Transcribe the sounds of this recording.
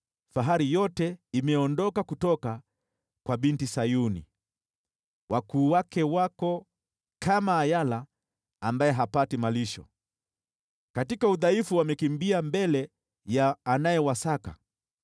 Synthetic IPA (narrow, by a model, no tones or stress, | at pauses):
faɦaɾijɔtɛimɛɔndɔkakutɔka | kwaɓintisajunḭ | wakuːwakɛwakɔ | kamaːjalaː | mbajɛɦapatimaliʃɔ̰ | katikauðaifuwamɛkimbiambɛlɛ | jaːnajɛwasaka̰